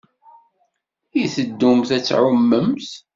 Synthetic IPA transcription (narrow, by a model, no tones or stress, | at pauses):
iθəd̪ːumθæt͡sːʕʊmːəmθ